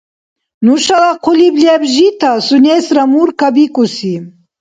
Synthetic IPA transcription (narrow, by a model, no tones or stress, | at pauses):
nuʃalaqʰɔliblɛbʒit̪ʰasunɛsɾamuɾkʰabikʼusi